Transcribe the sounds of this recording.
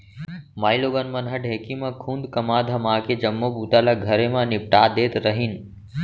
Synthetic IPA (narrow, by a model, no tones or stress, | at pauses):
maːiloːɡənmɐnɦəɖɦeːkimãkʰũːnd̪kɐmaːd̪ʱəmãːked͡ʒɐmːobuːt̪alaɡʱɐɾemãnɪp̚ʈaːd̪eːt̪ɾəɦin